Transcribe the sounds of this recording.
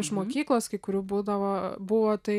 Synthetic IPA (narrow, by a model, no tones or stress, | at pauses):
ɪʃmoːkʲiːklˠoːskɐɪkʊɾʲuːbuːd̪ɐʋoːbʊʋoːt̪ɐɪ